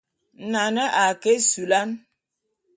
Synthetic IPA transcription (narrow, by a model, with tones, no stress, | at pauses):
n̩˨na˨nə˦ʔa˨ke˦su˨la˦n